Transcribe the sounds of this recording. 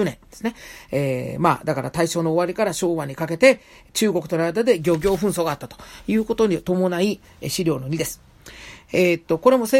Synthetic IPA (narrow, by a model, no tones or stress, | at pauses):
nẽ̞nd̪e̥sɨ̥ne̞eːma̰ːd̪akaɾat̪aiɕo̞ːno̞ːβaɾʲikaɾaɕo̞ːβaɲ̟ikake̞t̪e̞ | t͡ɕɨːɡo̞kɯ̟t̪oɾaid̪ad̪e̞ɡʲo̞ːɡʲo̞ːɸɯ̟̃ɰ̃so̞ːɡaːt̪ːat̪ojɯ̟ːko̞t̪o̞ɲ̟it̪o̞mo̞nai | ɕiɾʲo̞ːno̞ɲ̟id̪e̞sɨ̥ | eːt̪ːo̞ko̞ɾe̞mo̞se